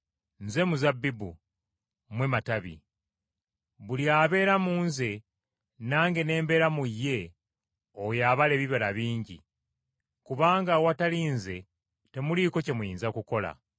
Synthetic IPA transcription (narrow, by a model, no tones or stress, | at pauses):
nze̞muzabːibu | mwemataβḭ | βuliaːβe̞ːɾamuːnze̞ | naːŋɡe̞ne̞ːmbe̞ːɾamujːe̞ | ojaːβale̞βiβalaβiːɲɟḭ | kuβaːŋɡawataliːnze̞ | te̞muliko̞ce̞mujiːnzakuko̞la̰